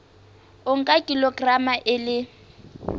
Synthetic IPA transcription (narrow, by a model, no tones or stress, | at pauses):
ʊŋ̩kʼakʼilɔɡramaʔɪlɪ